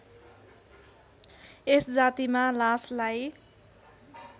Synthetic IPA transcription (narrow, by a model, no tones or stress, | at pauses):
esd͡zat̪imalaslaj